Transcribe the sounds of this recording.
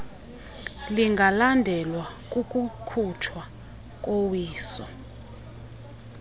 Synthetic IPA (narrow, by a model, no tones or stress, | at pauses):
liŋɡʱalandʱɛlwakʼukʼukʰutʰwa | k̬ʼowiːsɔ̰